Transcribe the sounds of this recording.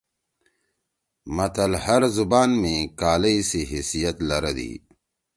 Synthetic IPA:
mɐt̪ɐlhɐɾzubaːnmẽkaːlɐiseɦisijɐt̪lɐɾɐd̪ḭː

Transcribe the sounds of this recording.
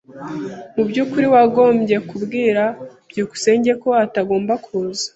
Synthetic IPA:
mubɟuːkuɾiwaɡo̞ːmɟe̞kubɡiːɾab̥ɟoːku̥se̞ːɲɟe̞ko̞ataɡo̞ːmbakʰuzḁ

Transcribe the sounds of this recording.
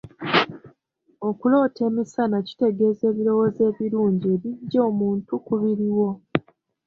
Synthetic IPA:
o̞kulo̞ːtʰe̞ːmisanaci̥te̞ɡe̞ːze̞ːβiɾo̞woze̞ːβiɾuːɲɟeːβiɟo̞ːmuːntukuβiɾiwo̞

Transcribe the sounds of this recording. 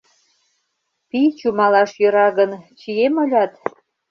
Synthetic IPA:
pit͡ɕumɑlɑʃjø̆ɾɑɣənt͡ɕijemolʲɑt̪

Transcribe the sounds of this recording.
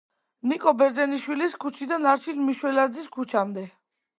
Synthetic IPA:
nikʼɔbɛɾd̪zɛniʃwiliskʰut͡ʃʰid̪anaɾt͡ʃʰilmiʃwɛlad̪ziskʰut͡ʃʰamd̪ɛ

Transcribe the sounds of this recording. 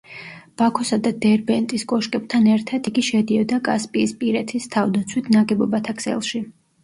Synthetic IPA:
b̥akʰɔsad̪ad̪ɛɾbɛnt̪ʼiskʼɔʃkʼɛb̚t̪ʰanɛɾt̪ʰat̪iɡiʃɛd̪iɔd̪akʼa̰spʼiːspʼiɾɛt̪ʰist̪ʰavd̪at̪sʰwit̪ʰnaɡɛbɔbat̪ʰakʰsɛ̰lˠʃi

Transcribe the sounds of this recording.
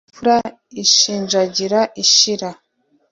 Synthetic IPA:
uɾa | iʃiːnʒaɟiɾaʔiʃiɾa

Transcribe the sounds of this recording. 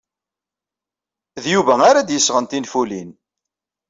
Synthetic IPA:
ðjuvæaɾad̪jəsːʁənt̪infulin

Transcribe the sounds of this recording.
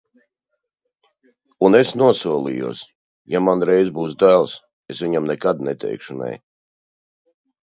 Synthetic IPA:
unesnuɔsuɔlˠḭjṵɔs | jamanɾɛjzbuːs̬d̪ælˠs | esvʲiɲamnɛkad̪nɛt̪ʰɛ̰jkʃunɛ̰j

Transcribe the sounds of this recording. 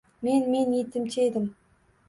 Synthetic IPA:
menmenjit̪ɪmt͡ʃed̪ɪm

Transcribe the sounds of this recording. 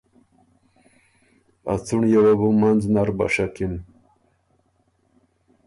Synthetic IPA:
a̰t͡suɳjawabumand͡znaɾba̰ʂakim

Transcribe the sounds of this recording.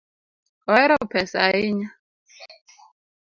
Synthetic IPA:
ɔɛɾɔpʰɛsaiɲa

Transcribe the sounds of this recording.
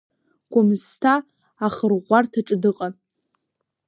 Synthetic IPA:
ɡ̥ʷamztʰaː | χərʁʷartʰaʈ͡ʂʼɨdɨqʼan

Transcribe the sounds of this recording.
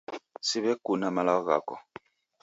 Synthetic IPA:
siβɛkunamalaɔɣa̰kɔ̰

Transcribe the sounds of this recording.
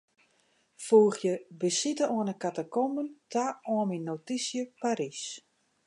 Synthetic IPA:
fuːxjəbəsitəɔənəkatakoməntʰaɔəminːotisjəpaɾis

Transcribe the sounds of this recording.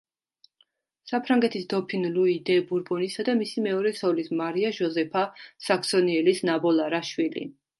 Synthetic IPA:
sapʰɾaŋɡɛt̪ʰisd̪ɔpʰinluid̪ɛbuɾbɔnisad̪amisimɛɔɾɛt̪sʰɔlismaɾiaʒɔzɛpʰasaksɔniɛlisnabɔlˠaɾaʃwilḭ

